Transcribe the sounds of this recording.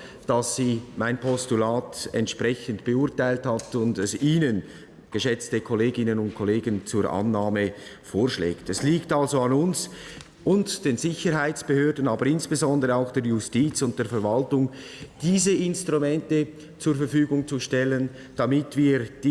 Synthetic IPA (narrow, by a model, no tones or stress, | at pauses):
d̥ɑsːiːmaɪnpʰɔstulaːtɛ̰ntʃprɛçəntb̥əʊɐtaɪlthatʊndɛsiːnən | ɡ̥əʃɛt͡stəkʰoleːɡɪnənʊnt̚kʰoleːɡənt͡suːɾʔa̰nːaːmə | foːɹʃlḛːktɛsliːktalzoɑnʊns | ʔʊntd̥eːnzɪçəɾɦaɪt͡sb̥əhøːdən̩aːbəɾɪnsb̥ezɔndəʁəaʊxd̥eːjʊstiːt͡sʊnt̚d̥eːfɛɐɾvaltʊŋ | d̥iːzəɪnstʁumɛntə | t͡suːɐɾfɛɾfyːɡʊŋt͡suʃtɛlən | d̥amɪtv̥iːɾd̥